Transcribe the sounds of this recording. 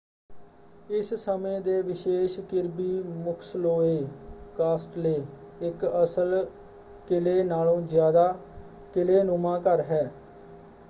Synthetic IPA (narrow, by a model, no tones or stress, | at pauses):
ɪssəmẽːd̪eːʋɪʃeːʃkɪɾbiːmʊkʰsloːeːkaːsʈleː | ɪkəsəl | kɪleːnaːlõːzjaːd̪aː | kɪleːnʊmãːkəɾɦɛː